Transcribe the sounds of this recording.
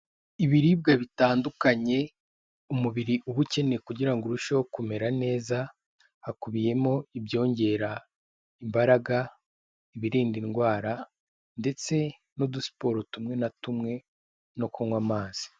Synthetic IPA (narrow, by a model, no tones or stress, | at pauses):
iβiɾib̚ɡaβitaːndukaɲe̞ | umuβiɾiʔuβuce̞ne̞kuɟiɾaŋɡoɾuʃokume̞ɾane̞ːza | hakuβije̞moibjo̞ːɲɟe̞ɾa | imbaɾaɡa | iβiɾiːndinɡwaːɾa | nde̞t͡se̞ | nodusi̥po̞ːɾotumŋe̞natumŋe̞ | no̞koŋwamaːz̥i̥